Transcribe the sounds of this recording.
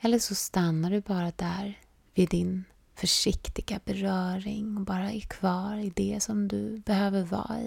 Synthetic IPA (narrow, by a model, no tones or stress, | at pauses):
ɛlːəʂɔst̪anːaɖɵbɑːɾad̪æɾ | vɪd̪ːɪn | fœʂɪkt̪ɪɡ̥abɛɾœːɾɪŋɔbɑːɾaɛkʰv̥ɑːɾɪd̪ɛsɔmd̪ɵ̰bɛhøːvəɾvɑ̰ːɪ̰